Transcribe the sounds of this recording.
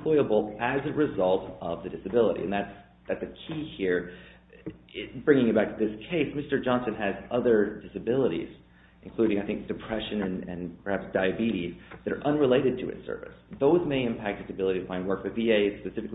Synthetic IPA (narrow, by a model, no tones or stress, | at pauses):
l̥ɔɪəbl̩ˠɨzɨɹɨzʌlˠtʔʌvðɨdɪsɨbɪlˠəɾḭɨ̃nðæts | ðætsɨkʰihiɹ | bɹɪ̃ŋɪ̃ŋɨt̚b̥æk̚tʰɨðɪskʰeɪsmɪstə˞d͡ʒɑ̃nsɨ̃nɨzʌðə˞dɪsɨbɪlˠəɾḭz̥ | ʔɨ̃n̩kʰl̥ʉɾɪ̃ŋaɪθɪ̃ŋk̚d̥ɨpʰɹ̥ɛʃɨ̃nɨ̃nɨ̰̃npʰə˞hæpsd̥aɪɨbiɾiðɨɾə̰˞ʔʌ̃nɹɨleɪɾɨd̚tʰɨɨ̰tsɜ̰˞vɨ̰sðoʊzmeɪɨ̃mpʰæk̚t̚d̥ɨsɨbɪlˠəɾiɨfãɪ̃nwɜ˞kfə˞vieɪspɨsɪfɨk